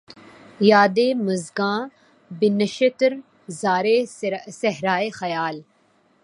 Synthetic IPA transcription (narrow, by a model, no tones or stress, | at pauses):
jaːd̪eːmɐzɡãː | bɪnəʃət̪ɾ | zaːɾesɐɦɾaːexɐjaːl